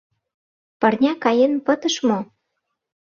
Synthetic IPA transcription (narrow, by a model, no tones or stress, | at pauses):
pɤ̆rnʲɑkɑjenpət̪əʃmo